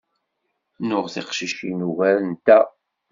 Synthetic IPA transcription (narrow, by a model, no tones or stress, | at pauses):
nʊʁθiqʃiʃinuvæɾnt̪æ